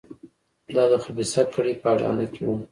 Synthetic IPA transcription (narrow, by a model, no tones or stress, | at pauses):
lɑd̪əxabisakəɽepəaɽɑ̰nakewum